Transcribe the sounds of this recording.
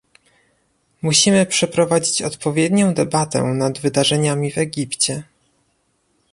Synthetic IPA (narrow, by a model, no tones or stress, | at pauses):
muɕimɘpʂɛpɾɔvad͡ʑit͡ɕɔt̪pɔvʲjɛd̪ɲɔ̃w̃d̪ɛbat̪ɛ̰nad̪vɘd̪aʐɛɲamʲivɛɡʲipt͡ɕɛ